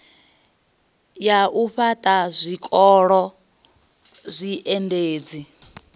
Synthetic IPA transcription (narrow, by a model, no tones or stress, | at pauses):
jaʔuɸatʼazʷikʼɔɺɔ | zʷiʔɛndeːd͡zi